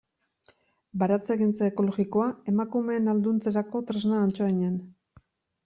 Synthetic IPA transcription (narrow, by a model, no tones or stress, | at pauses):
baɾat͡seɣint͡saeko̞lo̞ɣiko̞ae̞makume̞ːnald̪unt͡se̞ɾako̞t̪ɾeznaːnt͡ʃoiɲan